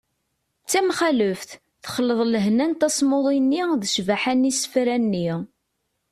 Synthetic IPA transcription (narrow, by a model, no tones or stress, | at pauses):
t͡sːæmχæləfθ | θχəlːəðˤləɦnænt̪æsmoðˤinːiðəʃvaħænisə̥fɾænːi